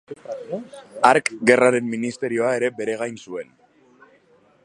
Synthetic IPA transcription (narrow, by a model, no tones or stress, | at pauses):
aɾkɡe̞raɾe̞mːinist̪e̞ɾio̞ae̞ɾe̞be̞ɾe̞ɣajnsue̞n